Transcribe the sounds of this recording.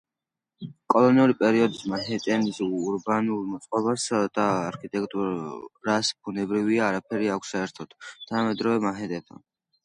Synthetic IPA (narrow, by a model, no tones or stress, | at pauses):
kʼɔlˠɔniuɾipʼɛɾiɔd̪ismaɦɛt̪ʼɛnisːɾbanulˠmɔt̪sʼqʼɔbasd̪̥aːɾkʰit̪ʼɛk̚t̪ʼuɾasb̥̚unɛbɾiviaːɾapʰɛɾiakʷʰsːaɛɾt̪ʰɔt̪t̪ʰanamɛd̪ɾɔvɛmaɦɛt̪ʼɛt̪ʰa̰n